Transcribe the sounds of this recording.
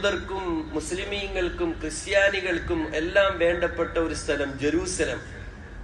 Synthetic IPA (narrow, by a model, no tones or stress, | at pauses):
ðɐrkumːuslimiːŋːɐɭkumkrɨst̪jaːniɣɐɭkumelːaːmʋe̞ːɳɖɐpːɐʈːɐo̞ɾust̪ʰɐlɐmd͡ʑeɾuːsɐlɐ̰m